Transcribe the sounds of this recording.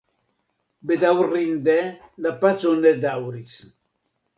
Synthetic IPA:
bed̪awrind̪ɛlapat͡sonɛd̪awɾit͡s

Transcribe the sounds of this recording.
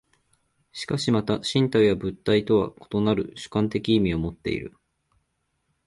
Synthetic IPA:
ɕi̥kaɕimat̪aɕĩnt̪aijabɯ̟t̪ːait̪o̞βa̰ko̞̥t̪o̞naɾɯ̟̰ɕɨ̥kãnt̪e̞kʲiːmʲio̞mo̞t̪ːe̞̰ḭɾɯ̟̰

